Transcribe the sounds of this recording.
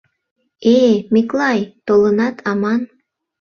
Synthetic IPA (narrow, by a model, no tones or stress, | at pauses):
emiklˠɑjt̪olənɑt̪ʰɑmɑn